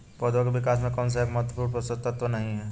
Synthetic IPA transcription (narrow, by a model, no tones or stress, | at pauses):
pəd̪ʋak̬ebɪkaːsmẽkɔːns̬eeːkmɐɦət̪wəpuːɾpɾɐsət̪ɐt̪ʋənɐɦĩɦɛ